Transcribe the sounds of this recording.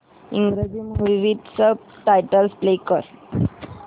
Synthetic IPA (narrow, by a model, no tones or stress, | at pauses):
iŋɡɾed͡ʑimɦuɾʋiʈ̪sə | ʈajʈəlsplekəɾ